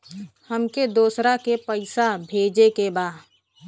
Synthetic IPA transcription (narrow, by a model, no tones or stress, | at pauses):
həmked̪oːsɾakepəɪsabʱeːd͡ʒekebaː